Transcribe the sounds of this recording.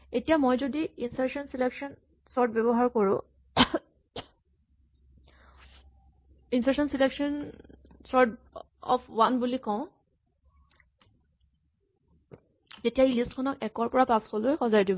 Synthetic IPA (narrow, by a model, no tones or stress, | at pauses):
etijamojzodiinsaɹsɔnsilekʃɔn | sɔɹt̚bɛbɔɦaɹkoɹʊ̃ | insɛksɔnsileksɔnsɔɹt | ɔ̰pʰwanbulikɔʊ̃ | zetiaɹilistkʰɔnɔkɛkɔɹpɔɹapaskɔlojxɔzajdibɔ